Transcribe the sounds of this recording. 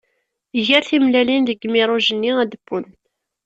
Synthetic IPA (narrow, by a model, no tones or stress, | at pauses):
ʝəɾθimlælinðəɡːmɪɾˤʊʒənːiæd̪əbːʊnt̪